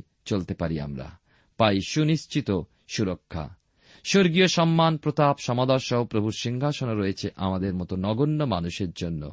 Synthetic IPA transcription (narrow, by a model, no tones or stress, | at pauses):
t͡ɕolt̪epaɾia̰mɾa̰ | pajʃuniʃt͡ɕit̪o | ʃuɾokʰːa̰ | ʃoɾɡioʃɔmːanpɾot̪apʃɔmad̪ɔɾʃɔɦopɾobʱuɾʃiŋɡʱaʃonoɾojet͡ɕʰeʔamad̪eɾmɔt̪onɔɡonːoma̰nuʃeɾd͡ʑonːo̰